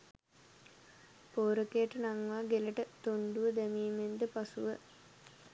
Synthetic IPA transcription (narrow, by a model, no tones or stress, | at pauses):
poːɾəkejəʈənaŋʋaːɡeləʈət̪oɳɖuʋəd̪æmiːmend̪əpasuʋə